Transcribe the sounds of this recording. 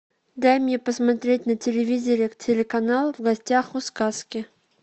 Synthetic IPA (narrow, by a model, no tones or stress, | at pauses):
d̪ajmʲjʲepəsmɐt̪ɾʲetʲnətʲɪlʲɪvʲizʲɪɾʲɪktʲɪlʲɪkɐnalˠvɡɐsʲtʲaxʊskaskʲɪ